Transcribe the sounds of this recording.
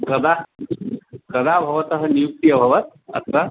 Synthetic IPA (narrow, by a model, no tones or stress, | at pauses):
kɐd̪a | ɡɐd̪abʱɐʋɐt̪ɐɦɐnijuk̚t̪ijɐbʱɐʋɐt̪̚ | ɐ̰t̪ʰʋɐ